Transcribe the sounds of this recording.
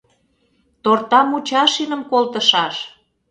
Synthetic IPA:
t̪ort̪ɑmut͡ɕɑʃinə̆mkolt̪ə̆ʃɑʃ

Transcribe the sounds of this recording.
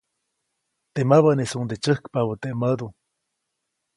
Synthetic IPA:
t̪emaβanesuŋnd̪et͡ʃəhkpaβət̪eʔməd̪u

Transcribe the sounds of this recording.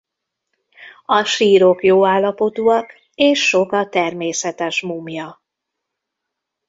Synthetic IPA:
ɒʃiːɾo̞kjoːaːlːɒpo̞t̪uːɒk | eːʃːo̞kɒt̪ɛrmeːsɛt̪ɛʃmumjɒ

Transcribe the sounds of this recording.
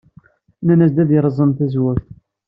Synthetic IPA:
nænæsd̪æðjəɾˤəzˤənθæzwæθ

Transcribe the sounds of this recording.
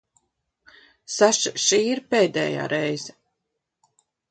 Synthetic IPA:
saʃiʃiːiɾpeːd̪ɛ̰ːja̰ːɾɛjzɛ

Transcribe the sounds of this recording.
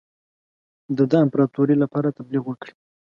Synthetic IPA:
d̪əd̪əɪmpɾɑt̪oɾilapɑɾat̪abliɣwəkɽi̥

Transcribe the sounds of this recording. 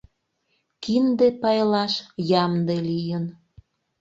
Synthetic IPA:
kind̪epɑjlɑʃjɑmd̪elijən

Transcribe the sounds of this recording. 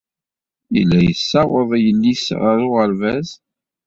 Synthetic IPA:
ḭlːæjəsːɑwəðˤjəlːisʁəɾʊʁəɾvæz

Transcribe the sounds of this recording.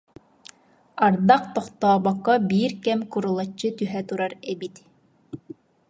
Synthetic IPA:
ɑɾd̪ɑq̚t̪ɔχt̪ɑːbɑqːɑbiɾkæmkuɾŭlˠɑt͡ɕːɤt̪yɦæt̪uɾɑɾæbit̪

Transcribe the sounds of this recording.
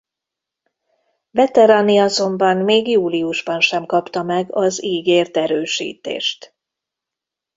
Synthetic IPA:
vɛt̪ɛɾaːniɒzo̞mbɒmmeːɡjuːliuʒbɒnʃɛmkɒpt̪ɒmɛɡɒziːɡeːrt̪ɛɾøːʃḭːt̪ḛːʃt̪

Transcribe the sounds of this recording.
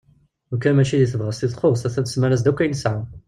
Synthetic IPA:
ʊkːænmæʃiðiθəvʁəst̪iðˤχoʁsæθæθə̥smæɾæs̬d̪ækʷːæjnəsʕa

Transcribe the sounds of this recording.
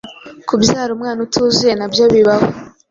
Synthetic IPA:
kubjaːɾumŋaːnutʰuːzuje̞nabjoβiβaho

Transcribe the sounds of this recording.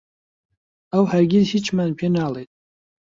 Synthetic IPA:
awħarɡʲidhit͡ʃʰʼmanpʰenaːlejtʼ

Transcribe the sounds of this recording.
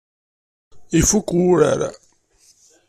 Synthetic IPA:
ifukːwuɾa̰ɾa̰

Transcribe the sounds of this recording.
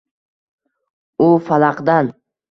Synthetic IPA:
ʊfalˠɑqd̪an

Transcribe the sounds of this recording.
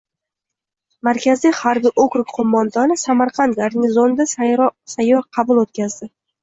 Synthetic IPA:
maɾkʲʰazaχaɾbɪʔokɾʊkʲqʰomːɒnd̪ɒnɪsamaɾqʰɑnt̪̚ɡaɾnɪzond̪asajːɒɾqʰɑbʊlˠot̪̚kʲazd̪ɪ

